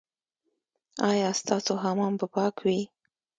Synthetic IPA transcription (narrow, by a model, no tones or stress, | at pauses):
ɑjɑst̪ɑsoɦamɑmpəpɑkʰwi